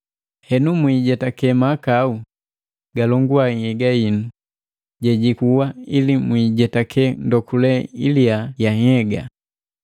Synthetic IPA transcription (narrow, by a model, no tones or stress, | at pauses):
hɛnumwiɟɛtakɛmakau | ɡalɔŋɡuahɛɡainu | ɟɛɟikuwailimwiɟɛtakʰɛndɔkulɛḭliajahɛɡa̰